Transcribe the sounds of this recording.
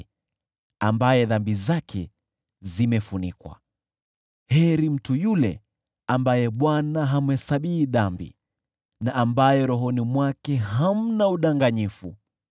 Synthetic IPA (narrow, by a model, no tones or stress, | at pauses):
a̰mbajɛðambizakʰɛ̰ | zimɛfunikwa̰ | hɛɾim̩tujulɛ̰ | ambajɛɓwanaɦamɛsaɓihiðambḭ | naʔambajɛɾɔɦɔnimwakɛɦam̩nauɗaŋɡaɲifu